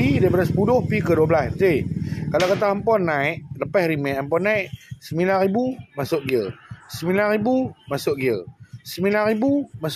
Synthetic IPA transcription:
idaipadasə̥pudʊhpikəduəblast̪ekalakat̪aɦəmpɔnːaiʔləpɛhɾimɛəmpɔnːaiʔsəmilanɾibumasʊʔɡiəsəmĩlanɾibumasʊʔ̚ɡiəsəmĩlanribumas

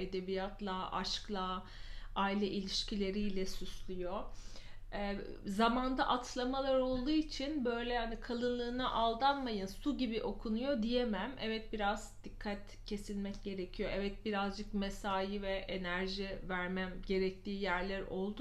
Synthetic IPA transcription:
e̞d̪ebijat̪lˠaʔa̰ʃklˠa | ailʲɛʔilʲiʃcʰilʲe̞ɾijlʲɛsyslʲyjo̞ | zamand̪aʔat̪ʰlˠamalˠaɾo̞lˠd̪uːit͡ʃʰinbø̞jlʲɛhanikʰalˠɯnlˠɯːnaʔalˠd̪anmajɯnsuɟibiʔo̞kʰunujo̞d̪ijemæmʔɛvɛt̪̚biɾazd̪̥ikʰːat̪ | cʰe̞silʲmɛcɟe̞ɾecʰijo̞ʔɛvɛt̪̚biɾazd͡ʒɯkmesaːjivɛʔenæɾʒivæɾmæmɟe̞ɾɛc̚t̪ʰiːjæɾlʲæɾo̞lˠd̪u

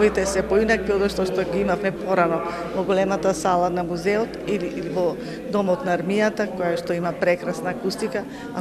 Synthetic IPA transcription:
it̪ɛsɛpɔinakiɔd̪ɔʃt̪ɔʃt̪ɔɡiimafmɛpɔɾanɔ | vɔɡɔlɛmat̪asalˠanamuzɛɔt̪ilivɔ | d̪ɔmɔt̪naːɾmijat̪akɔjaʃt̪ɔimapɾɛkɾasnaːkust̪ika | a

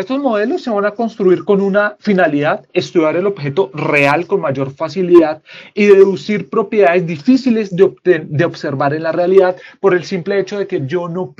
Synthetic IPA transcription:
est̪o̞zmo̞ðe̞lo̞sːe̞βanako̞nst̪ɾuiɾko̞nunafinaliðaðe̞st̪uðjaɾe̞lo̞bxe̞t̪o̞re̞alko̞nmaʝo̞ɾfasiliðaðiðe̞ðeðusiɾpɾo̞pje̞ðaðe̞zd̪ifisile̞zd̪t̪d̪eobse̞ɾbaɾe̞nlare̞aliðaðpo̞ɾe̞lsimple̞e̞t͡ʃo̞ðe̞ke̞ʝo̞no̞

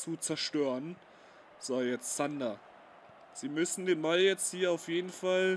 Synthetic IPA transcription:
t͡sut͡sɛɐʃtøːʁən | z̥aːjɛt͡stz̥anda | z̥iːmʏsn̩deːnbaljɛt͡sthiːɐaʊfjeːdn̩fal

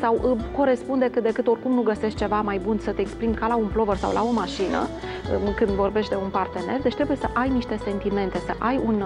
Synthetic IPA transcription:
sawʔko̞ɾe̞spund̪e̞kɨt̪̚d̪e̞kɨt̪o̞rkumnuɡəse̞ʃt̪̚t͡ʃe̞vamajbunsət̪eːkspɾimkalaunplo̞vərsa̰wlʔa̰o̞maʃinə̰ | kɨnd̪vo̞rbe̞ʃt̪ʲd̪e̞unpart̪e̞ne̞rd̪e̞t͡ʃʲt̪ɾe̞buje̞səʔajniʃt̪e̞se̞nt̪ime̞nt̪e̞səʔajun

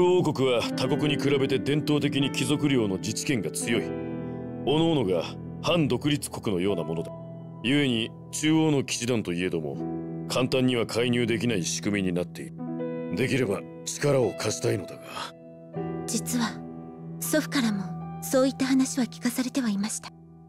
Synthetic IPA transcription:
ɯoːko̞kɯ̟βat̪ako̞kɯ̟ɲ̟ikɯ̟ɾabe̞t̪e̞d̪ẽ̞nt̪o̞ːt̪e̞k̬ʲiɲ̟ikʲizo̞kɯ̟ɾʲjo̞ːno̞d͡ʑit͡ɕi̥kẽ̞ŋɡat͡sɨjo̞i | o̞no̞ːno̞ɡa | hãnd̪o̞kɯ̟ɾʲit͡sɨ̥ko̞̥kɯ̟no̞jo̞ːnamo̞no̞d̪a | jɯ̟e̞ɲ̟i | t͡ɕɨːo̞ːno̞kʲi̥t͡ɕid̪ãnt̪o̞ie̞d̪o̞mo̞̰kʰãnt̪ãɲ̟ːiβ̞akʰaiɲ̟ɨːd̪e̞kʲinaiɕi̥kɯ̟mʲiɲ̟inat̪ːe̞iɾɯ̟d̪e̞kʲiɾe̞ba | t͡ɕi̥kaɾao̞kʰaɕi̥t̪aino̞d̪aɡa | d͡ʑit͡sɨβa | so̞ɸɯ̟̥kaɾamo̞so̞ːit̪ːaɦanaɕiβakʲi̥kasaɾe̞t̪e̞βaimaɕi̥t̪ḁ

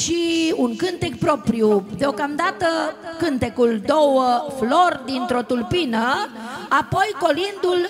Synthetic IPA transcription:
ʃiuŋkɨnt̪ek̚pɾo̞pɾjud̪eo̞kamd̪at̪əkɨnt̪e̞kuld̪o̞wəflo̞rd̪int̪ɾo̞t̪ulpinəapo̞jko̞lind̪ul

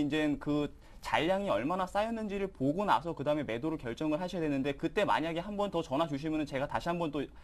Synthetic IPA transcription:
ind͡ʑe̞nkɯ | t͡ɕaʎːaŋiʌɭmanas͈ajʌnːɯnd͡ʑiɾɯɭpoɡona̰sʰʌkɯdaɯme̞me̞doɾoɭkjʌɭt͡ɕ͈ʌŋɯɭɦaɕʰʌjadwenːɯnde̞kɯt͈e̞ma̰ɲaɡe̞ɦambʌntʌt͡ɕʌnɦad͡ʑuɕ̬ʰimjʌnɯnt͡ɕe̞ɡataɕʰiɦambʌnt͈o

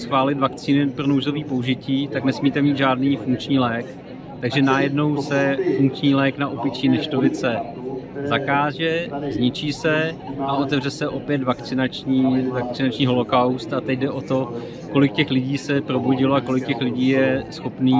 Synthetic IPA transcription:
sxvaːlɪt̪vak̚t͡siːnɪpɾo̞nowzo̞viːpo̞uʒɪciːt̪aknɛsmiːt̪ɛmiːd̪ʒaːdniːfuŋk̚t͡ʃɲiːlɛːk | t̪aɡʒɛnajɛdno̞wsɛfuŋk̚t͡ʃɲiːlɛːknaʔopɪt͡ʃiːnɛʃt̪ovɪt͡sɛ | zakaːʒɛzɲɪt͡ʃiːsɛʔaʔo̞t̪ɛvrɛsɛʔo̞pjɛt̪vakt͡sɪnat͡ʃɲiːvakt͡sɪnat͡ʃɲiːɦo̞lo̞kawst̪at̪ɛɟdɛʔo̞t̪o̞ | ko̞lɪkcɛxlɪɟiːsɛpɾo̞buɟɪloako̞lɪk̚cɛxlɪɟiːjɛsxo̞pniː

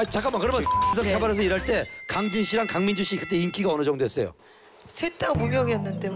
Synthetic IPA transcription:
t͡ɕak͈anmakɯɾʌmjʌsʰʌkʰabaɾes̬ʰʌiɾaɭt͈e̞kaŋd͡ʑinɕʰiɾankaŋmind͡ʑuɕ͈ʰikɯt͈e̞iŋkʰiɡaʌnɯd͡ʑʌŋdoɦes͈ʌjo̰ | sʰet͈amumjʌɡiʌnːante

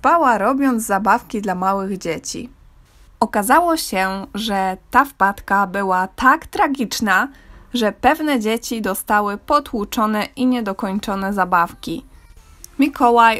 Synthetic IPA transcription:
pawaɾɔbʲjɔnd̪zzabafkʲid̪lamawɘɣd͡ʑet͡ɕḭ | ɔkazawɔɕɛʐɛt̪afpat̪kabɘwat̪akt̪ɾaɡʲit͡ʂnaʐɛpɛvnɛd͡ʑet͡ɕid̪ɔst̪awɘpɔt̪wut͡ʂɔnɛʔiɲɛd̪ɔkɔɲt͡ʂɔnɛzabafkʲi | mʲikɔwaj

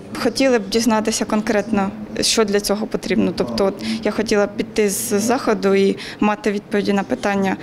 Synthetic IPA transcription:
xɔtʲilˠɪb̚dʲiznɑt̪ɪsʲɐkɔnkɾɛt̪nɔʃt͡ʃɔd̪lʲɐt͡sʲɔɦɔpɔt̪ɾʲibnɔt̪ɔpt̪ɔɔt̪jaxɔtʲilˠɐpʲid̪̚ʲt̪ːɪzzɑxɔd̪ʊimɑt̪ɪʋʲid̪̚pɔʋʲidʲinɐpɪt̪ɑnʲːɐ

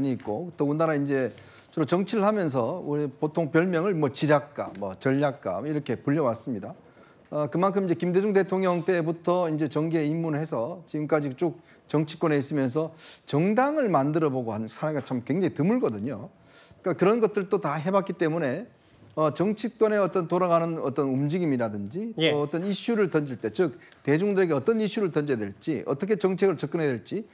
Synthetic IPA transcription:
ɲiːt̚k͈oɯt͈oɯnaɾaind͡ʑe̞ | t͡ɕʌɾot͡ɕʌŋt͡ɕʰiɾɯɭhamjʌns̬ʰʌupotʰoŋpjʌɭmjʌŋɯɭmwʌt͡ɕiɾjak̚k͈a̰mʌt͡ɕʌʎːak̚k͈a̰miɾʌkʰe̞puʎːʌwas͈ɯmɲida | ʌkɯmankʰɯmind͡ʑekimde̞d͡ʑoŋde̞tʰoŋɲʌŋt͈e̞butʰʌind͡ʑe̞t͡ɕʌŋɡe̞imːunɯɭhe̞s̬ʰʌt͡ɕiɡɯmk͈ad͡ʑit͡ɕ͈ok̚ | t͡ɕʌŋt͡ɕʰi̥kwʌne̞is͈ɯmjʌns̬ʰʌt͡ɕʌŋdaŋɯɭmandɯɾʌboɡohannsʰaɾeɡat͡ɕʰamkwe̞ŋd͡ʑaŋitɯmuɭɡʌdɯɲo | k͈akɯɾʌnɡʌt̚t͈ɯɭt͈otaɦe̞bat̚k͈it͈e̞mune̞ | ʌt͡ɕʌŋt͡ɕʰik̚k͈wʌne̞ʌt͈ʌntoɾaɣanɯnʌt͈ʌnumd͡ʑiɡimiɾadɯnd͡ʑitoʌt͈ʌniɕ͈uɾɯɭtʌnd͡ʑiɭt͈e̞t͡ɕɯk̚ | te̞d͡ʑuŋdɯɾe̞ɡe̞ʌt͈ʌniɕ͈uɾɯɭtʌnd͡ʑedwe̞ɭt͡ɕ͈iʌ̰t͈ʌkʰet͡ɕʌŋt͡ɕʰe̞ɡɯɭt͡ɕʌk͈ɯnɦe̞dweɭt͡ɕ͈i

